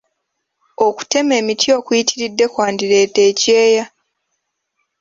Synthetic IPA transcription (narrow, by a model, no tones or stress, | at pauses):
o̞ku̥te̞me̞ːmitʰio̞ːkujitiɾidːe̞kwaːndiɾe̞ːte̞ːce̞ːja